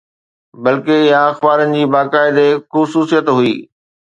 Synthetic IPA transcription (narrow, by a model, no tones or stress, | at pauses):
bɐlkejaɐxbaːɾənɪ̆d͡ʑiːbaːkaːɪd̪exʊsuːsijət̪ɦʊiː